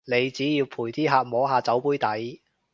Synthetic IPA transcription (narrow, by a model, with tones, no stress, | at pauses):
ne˨˧jt͡siː˨˥jiː˧wpʰuː˨˩jt̪ʰiː˥ɦaː˨˧k̚mɔː˨˥ɦaː˨˧t͡sɐ˨˥wpuː˥jt̪ɐ˨˥j